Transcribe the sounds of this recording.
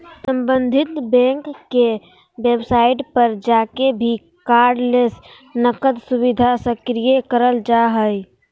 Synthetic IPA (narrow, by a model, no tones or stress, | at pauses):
sə̃mbə̃nd̪ʱɪt̪bɛ̃ːŋkːe | weːbsaːɪʈpəɾd͡ʒaːkebʱi | kaːɾɖles | nəkəd̪sʊbɪd̪ʱasəkɾijekəɾəld͡ʒaɦəj